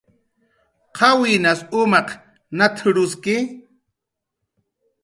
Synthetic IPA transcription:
qʰɑwinasʊmɑq | nat̪ʰɾʊskɪ

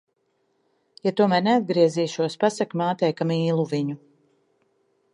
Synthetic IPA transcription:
jat̪uɔmæːɾnead̪̚ɡɾiɛziːʃuɔspasakmaːt̪ɛjkamiːlˠuviɲu

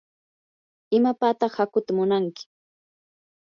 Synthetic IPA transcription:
ɪmapaːt̪ɑχhakʊt̪amʊnaŋkɪ̥

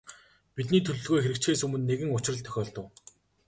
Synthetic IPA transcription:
pit̪niːt̪ʰɵɮɵ̆ɮɣojxeɾɘ̆k̚t͡ɕxeːsɵmɵ̆nːeɣɘ̆ŋʊt͡ɕɪ̆rə̆t̪ʰœ̥xʲɔːɮt̪ə̆w

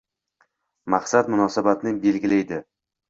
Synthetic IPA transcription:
maqsad̪mʊnɒsabat̪nɪbe̞lɡʲɪlajd̪ɪ

